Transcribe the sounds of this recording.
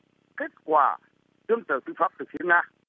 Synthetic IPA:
ke˦˥t̚kwaː˧˩ | tɨ˧ənt̪ə˨˩wt̪ɨ˧faː˦˥p̚t̪ɨ˨˩fi˨˦əŋnaː˧

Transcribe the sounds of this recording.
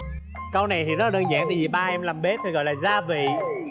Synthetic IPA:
kə˧wna˨˩jt̪ʰi˨˩zə˦˥la˨˩əː˧nzaː˧˥ŋt̪ɨ˨˩i˨˩ɓaː˧ʔɛ˧mlaː˨˩mɓe˦˥i˨˩ɣɔ̰˧˨jlaː˨˩zaː˧vḭ˧˨

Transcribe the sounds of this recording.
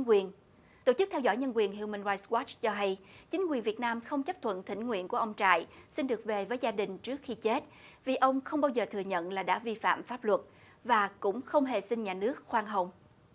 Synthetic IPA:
ŋkwi˨˩ən | t̪o̰˧˩t͡ɕɨ˦˥k̚t̪ʰɛ˧wzɔ̰˧˥jɲə˧nkwi˨˩ənɦi˧˨wmaː˧nza˧jswɔ˦˥t͡ɕt͡ɕɔ˧ɦa˧jt͡ɕï˨˦ŋ̟kwi˨˩ənvi˨˩ət̚naː˧mxə˧wŋ͡mt͡ɕə˦˥p̚t̪ʰwə̰˧˨nt̪ʰï˧˩ŋ̟ŋwḭ˧ənku˧˩əʔə˧wŋ͡mt͡ɕa̰ː˧˨jsi˧nɗɨ˨˩ək̚ve˨˩vəː˨˦jzaː˧ɗï˨˩ŋ̟t͡ɕɨ˦˥ək̚xi˧t͡ɕe˦˥t̚vi˨˩ʔə˧wŋ͡mxə˧wŋ͡mɓaː˧wzəː˨˩t̪ʰɨ˨˩əɲə̰˧˨nlaː˨˩ɗa̰ː˧˥vi˧fa̰ː˧˨mfaː˦˥p̚lwə˨˩t̚ | vaː˨˩kʊ̰˧˥ŋ͡mxə˧wŋ͡mɦe˨˩sï˧ŋ̟ɲaː˨˩nɨ˦˥ək̚xwaː˧ŋɦə˨˧˩wŋ͡m

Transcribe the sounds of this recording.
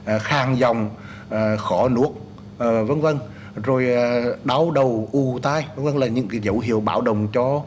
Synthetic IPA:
xaː˨˩ŋzɔ˨˩wŋ͡mː | xɔ˧˩nu˦˥ək̚ː | və˧˦nvə˧n | zo˨˩jɗa˨˦wɗə˨˩wʔu˨˧˩t̪aː˧jvə˧˦nvə˧˨nlaː˨˩ɲɨ̰˧˥ŋkaː˨˦jzə˧˩wɦḭ˧˨əwɓaː˧˩wɗə˨˩wŋ͡mt͡ɕɔ˧

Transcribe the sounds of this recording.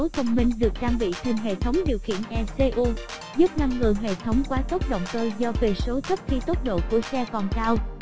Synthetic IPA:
o˨˦jt̪ʰə˧wŋ͡mmï˧ŋ̟ɗɨ˨˩ək̚t͡ɕaː˧ŋɓḭ˧˨t̪ʰe˧˩nɦḛ˧˨t̪ʰə˨˦wŋ͡mɗi˨˩əwxḭ˧˨ənʔɛ˧se˧ʔu˧ | zu˦˥p̚na˧ŋːɨ˨˩əjɦḛ˧˨t̪ʰə˨˦wŋ͡mkwaː˨˦t̪o˦˥k͡p̚ɗo̰˧˨wŋ͡mt̪əː˧jzɔ˧ve˨˩so˨˦t̪ʰə˦˥p̚xi˧t̪o˦˥t̚ɗo̰˧˨ku˧˩əsɛ˧kɔ˨˩nkaː˧w

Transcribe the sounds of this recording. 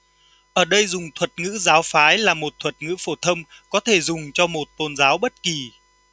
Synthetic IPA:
ʔəː˧˩ɗə˧jzʊ˨˩ŋ͡mt̪ʰwə˨˩t̚ŋɨ̰˧˥zaː˨˦wfaː˨˦jlaː˨˩mo˨˩t̚t̪ʰwə˨˩t̚ŋɨ̰˧˥fo˧˩t̪ʰə˧wŋ͡mkɔ˨˦t̪ʰe˧˩zʊ˨˩ŋ͡mt͡ɕɔ˧mo˨˩t̚t̪o˧˩nzaː˨˦wɓə˦˥t̚ki˨˩

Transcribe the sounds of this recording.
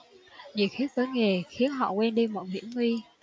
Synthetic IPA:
ɲḭ˧˨xi˦˥t̚vəː˨˦jŋe˨˩xi˨˦ənɦɔ̰˧˨kwɛ˧nɗi˧mɔ̰˧˨jmḭ˧˥əmi˧

